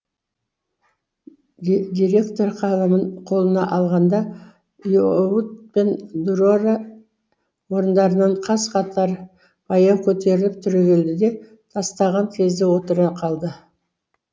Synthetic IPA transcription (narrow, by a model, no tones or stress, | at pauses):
d̪ʲiɾʲe̞kt̪o̞ɾqʰɑlˠəməɴqʰo̞lˠənɑʔɑlˠʁɑnd̪ɑ | jout̪̚pe̞nd̪uɾoɾɑ | wo̞ɾənd̪ɑɾənɑɴqʰɑsqʰɑt̪ʰɑɾ | bɑjɑkʲʰɵt̪e̞ɾɪlɪp̚t̪ʰʏɾeɡʲe̞ld̪ɪd̪e̞ | t̪ʰɑst̪ɑʁɑŋkʲʰe̞zd̪ɪwo̞t̪əɾɑqʰɑlˠd̪ə